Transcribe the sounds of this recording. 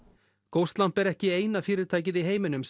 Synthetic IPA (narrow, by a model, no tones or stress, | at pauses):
kowst̪lam̥pɛɾɛhcɪeːjnafɪːɾɪɾ̥t̪ʰaːjc̬ɪðiɦeːjmɪnʏms